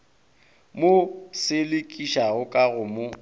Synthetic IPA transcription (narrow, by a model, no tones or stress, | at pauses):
mosɪlɪkʼiʃaɣʊkʼaɣʊmo